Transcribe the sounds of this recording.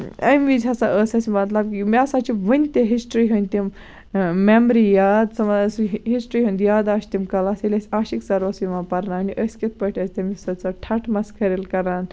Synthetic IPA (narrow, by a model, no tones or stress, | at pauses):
ɐjmid͡zɐsaʔəsɐsimɐt̪lɐb̚kimiasat͡ʃiʋənʲt̪eɦisʈɾiɦunʲt̪im | memɾijad̪sɐmasɦisʈɾiɦũnd̪jad̪aʃt̪imkɐlaselʲesʲaːɕiksɐɾʋɐsiʋãpɐɾnaːniʔəsʲkʲet̪̚pəʈʰɐst̪emisɐt͡saʈʰaʈʰmɐskʰəɾelkɐɾan